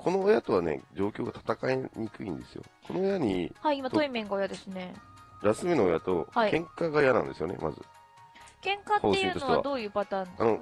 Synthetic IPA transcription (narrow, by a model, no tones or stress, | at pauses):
kʰo̞noːjat̪o̞βane̞̰d͡ʑo̞ːkʲo̞ːɡat̪ʰḁt̪akaeɲ̟ikɯ̟ĩnd̪e̞sɨjo̞̰kʰo̞no̞ːjaɲ̟ihaiimat̪oimẽ̞ŋɡaojad̪e̞sɨne̞ɾasɨminoːja̰t̪o̞haikẽ̞ŋkaɡajanã̰nd̪e̞sɨjo̞ne̞̰mʔa̰zɨ̰ | kẽ̞ŋkaoːeiːtonoaa̰d̪o̞ːjɯ̟ːpat̪ãːnd̪ano